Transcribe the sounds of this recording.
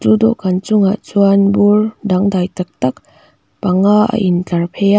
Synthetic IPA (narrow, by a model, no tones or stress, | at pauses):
tudɔkant͡ʃuŋat͡ʃuanbuɾdaŋd̪ajtak̚tak̚ | paŋaa̰ʔintaɾpʰeja